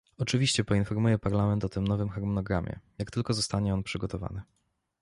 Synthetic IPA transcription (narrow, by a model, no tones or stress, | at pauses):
ɔt͡ʂɘvʲiɕt͡ɕɛpɔinfɔɾmujɛpaɾlamɛnt̪ɔt̪ɘmnɔvɘmxaɾmɔnɔɡɾa̰mʲjɛ̰jak̚t̪ɘlkɔzɔst̪aɲɛɔnpʂɘɡɔt̪ɔva̰nɘ